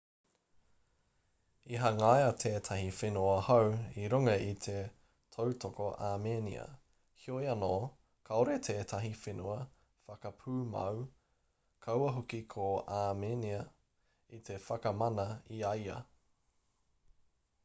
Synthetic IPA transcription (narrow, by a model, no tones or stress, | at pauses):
iɦɐŋajɐt̪ʰeːt̪ʰɐhifenuɐhɐwiɾuŋɐit̪ʰe̞ | tʰowtokoʔamenḭɐ̰ | hiojɐnoː | kʰɐoɾet̪ʰeːt̪ʰɐɦifenuɐ | fɐkɐpʰʉːmɐ̰w | kʰɐwɐɦokikʰoaːmeːniɐ | it̪ʰe̞fɐkɐmɐnɐiɐjɐ̰